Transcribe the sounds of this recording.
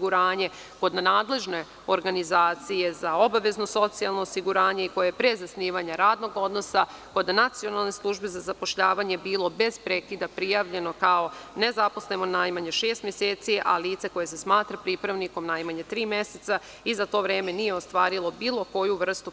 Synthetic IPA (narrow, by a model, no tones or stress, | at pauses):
ɡuɾaːɲe̞ | ko̞d̪nanaːd̪le̞ʒne̞ | oɾɡanizaːt̪sije̞zao̞baʋe̞zno̞so̞t̪sialˠnoːsiɡuɾaːɲe̞iko̞jajepɾezasniːʋaɲaɾaːd̪no̞ɡo̞d̪no̞sa | ko̞d̪anat̪sio̞nalˠne̞slˠuʒbezazapo̞ʃʎaːʋaɲe̞biːlo̞be̞z̥pɾekid̪apɾijaːʋʎe̞no̞kaone̞zapo̞sle̞monaːjmaɲe̞ʃeːst̪mʲjeseːt̪siʔa̰liːt̪se̞ko̞jese̞smaːt̪ɾapɾipɾaʋniko̞mnaːjmaɲet̪ɾiːmje̞set̪sa | izat̪o̞ːʋɾeːme̞nije̞ost̪ʋaːɾilˠo̞biːlˠo̞ko̞juʋr̩st̪u